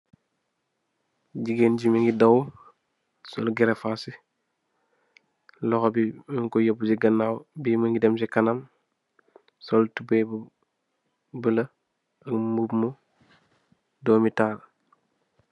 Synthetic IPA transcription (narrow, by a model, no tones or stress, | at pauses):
ɟiɡeːnɟimiŋɡidɐw | sɔlɡɛɾɛfasi | lɔxɔbimŋkɔjobusiɡɐnːaːwbiməŋɡidɛms̬ikɐnɐm | sɔltubeb | bəlɐ | ɐkmubmu | dɔːmitaːɾ